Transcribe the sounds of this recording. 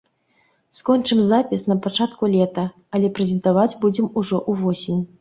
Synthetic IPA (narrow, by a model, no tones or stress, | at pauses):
skɔnʲt͡ʂɨmzapʲisnɐpat͡ʂat̪kulʲɛt̪ɐː | lʲɛpɾɛzʲɛnt̪avad͡zʲbud͡zʲɛmuʐɔʔuvɔsʲimʲ